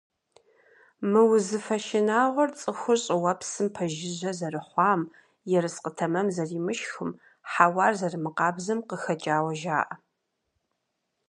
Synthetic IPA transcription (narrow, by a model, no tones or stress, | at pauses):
mɨwʊzɨfɐʃɪnaːʁʷɔrt͡sʼɨxʷʊɕʼɪwɐpsɨmpʰɐʒɪʑɐzɐrɨħʷɑːm | jɛɾɨsqətʰɐmɐmzɐriːmɨʃxʊm | ħawɑːrzɐrɨmɨqɑːbzɐmqəxɐt͡ʃʼaːwɐʒa̰ːʔɐ